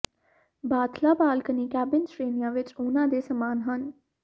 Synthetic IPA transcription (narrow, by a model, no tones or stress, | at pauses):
baːt̪laːbaːlkəniːkɛːbɪnsɾeːnijãːʋɪt͡ʃʊnãːd̪eːsəmaːnɦən